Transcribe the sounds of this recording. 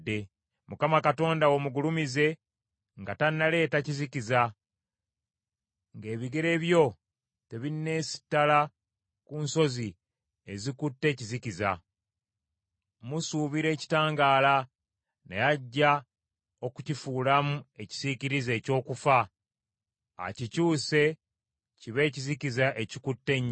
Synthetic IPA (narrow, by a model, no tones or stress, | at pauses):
dːe̞ | mukamakato̞ːndawomuɡulumize̞ | ŋɡatanːale̞ːtaciziciza | ŋɡe̞ːβiɡe̞ɾe̞βjo̞ | te̞βinːe̞ːsi̥tːala | kunso̞zi | e̞zikutːe̞ːciziciza̰ | musuːβiɾe̞ːci̥taːŋɡaːla | nḛjaɟːa | o̞kucifuːlamue̞ci̥z̥iciɾize̞ːco̞ːkufa | cicuːse̞ | ciβe̞ːcizicizaʔecikutːe̞ɲ